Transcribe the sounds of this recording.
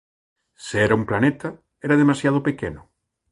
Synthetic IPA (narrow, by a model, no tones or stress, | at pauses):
seɛɾɐumplanet̪ɐ | ɛɾɐðemasjað̞opekḛnʊ